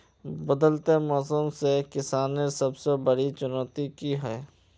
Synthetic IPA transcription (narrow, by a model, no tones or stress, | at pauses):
bɐd̪əlt̪emɔːsumsekɪsaːnesɐbsebɐɽit͡ʃʊnɔːt̪ikiɦɛː